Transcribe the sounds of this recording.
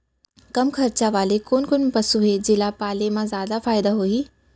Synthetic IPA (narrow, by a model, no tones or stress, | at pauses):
kɐmkʰɐɾt͡ɕaʋaːlekoːnkoːnpɐsuɦed͡ʑɪlapaːlemãzjaːd̪afaːɪd̪aɦoːiː